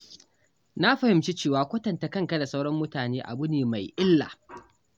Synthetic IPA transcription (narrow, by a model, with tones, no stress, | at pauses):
na˦ɸɐ˨hɪ˨mt͡ʃi˦t͡ʃeː˦˨waː˦kʷɐ˦tɐ˨nta˨kɐ˦ŋkɐ˦da˨sa˦wɽɐ˦mːʊ˦taː˨neː˦ʔa̰˨bʊ˦neː˨ma˨jʔɪ˦lːa̰ː˨